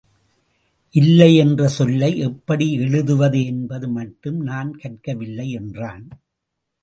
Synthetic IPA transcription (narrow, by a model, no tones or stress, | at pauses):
ʔɪlːɐɪɛndrɐsɔlːɐɪʔɛpːɐɽiɛɻɯðɯʋɐðɯɛnbɐðɯmɐʈːɯmnaːnkɐʈ̚kɐʋɪlːɐɪɛndraːn